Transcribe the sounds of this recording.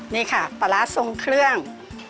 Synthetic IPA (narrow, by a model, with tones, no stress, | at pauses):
niː˥˩kʰa˥˩pa˧˩la˦˥so˧ŋkʰɾɯ˥˩əŋ